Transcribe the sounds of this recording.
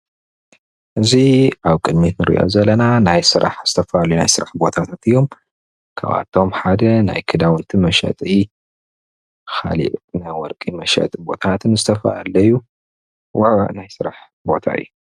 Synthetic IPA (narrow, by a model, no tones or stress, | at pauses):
ʔɨziʔaβkʼɨd̪mit̪nɨɾʔḭʔo̞̰zɐlɐnanajsɨɾʔa̰ħz̥ɨ̥t̪ʰɐfaʔalujuna̰jsɨɾaħbo̞t̪ʰat̪ʰat̪ɨjːo̞m | kʰa̰βa̰t̪ʰːo̞mħad̪ɐnajkʰɨd̪awɨnt̪ʰimɐʃɐ̰t̪ʼi | xa̰lḭʔnajwɔɾkʼimɐʃɐ̰t̪ʼbo̞t̪ʰat̪ʰɨnzɨt̪ʰɐfa̰ʔalːɐjːu | waʕ̰najsɨɾaħ | bo̞̰t̪ʰa̰ɨ̰jːu